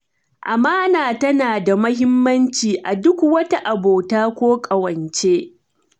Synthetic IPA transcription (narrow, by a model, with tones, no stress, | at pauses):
ʔa˨maː˦naː˨tɐ˦naː˨da˨mɐ˦hɪ˦mːɐ˦nt͡ʃiː˨ʔa˨dʊ˦kwɐ˦ta˦ʔa˨boː˨taː˦kʷoː˦kʼɐ˨wɐ˨nt͡ʃe˦